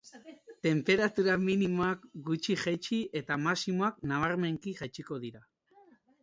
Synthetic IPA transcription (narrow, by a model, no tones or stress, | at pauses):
t̪e̞mpe̞ɾat̪uɾaminimo̞akɡut͡ʃiʝet͡ʃie̞t̪amasimo̞ak̚naβ̞aɾme̞ŋkiʝat͡ʃiko̞ðiɾa